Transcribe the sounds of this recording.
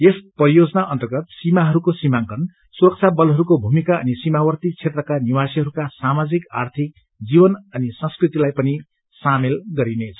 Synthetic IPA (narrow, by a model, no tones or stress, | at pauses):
espʌrijod͡zʌnaʔʌnt̪ʌrɡʌt̪simaɦʌɾukosimaŋkʌn | suɾʌk̚t͡sʰabʌlɦʌɾukobʱumikaʌ̰nisimawʌrt̪it͡sʰet̪rʌkaniwasiɦʌɾukasamad͡zika̰rt̪ʰik | d͡zibʌnʌnisʌ̃nskrit̪ilajpʌni | samelɡʌɾinet͡sʰʌ̥